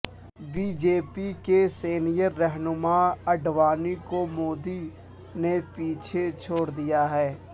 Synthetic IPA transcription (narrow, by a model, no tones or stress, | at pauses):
biːd͡ʒeːpikeseːnijəɾːɛɦnʊmaɐɖʋaːnikomoːd̪i | nepiːt͡ʃʰet͡ʃʰoːɽd̪ijaɦɛː